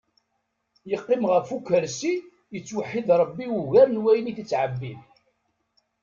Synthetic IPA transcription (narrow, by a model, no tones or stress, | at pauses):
jəqːɪmʁəfukːəɾsi | jət͡sːwəħːiðɾˤəbːiuʝæɾnwæjəniθit͡sːʕəbːið